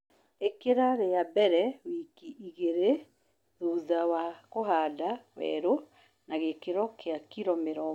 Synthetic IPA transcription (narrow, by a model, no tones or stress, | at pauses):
ekeɾaɾeabɛɾɛwikiʔiɣeɾe | ðuːðawakoɦaːdawɛ̰ɾo | naɣekeɾɔkeakiɾɔmeɾɔ